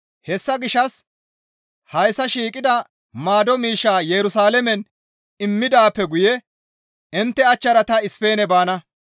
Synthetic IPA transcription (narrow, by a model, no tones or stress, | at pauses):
hɛsːɐɡɪʃːɐs | hɐjsːɐʃiːkʼɪd̪ɐ | maːd̪ɔmiːʃːaːjɛɾʊsaːlɛmɛn | ɪmːɪd̪aːpːɛɡʊjɛ | ɪnt̪ːɛɐt͡ʃːɐɾɐt̪ɐɪspe̞ːnɛbaːnɐ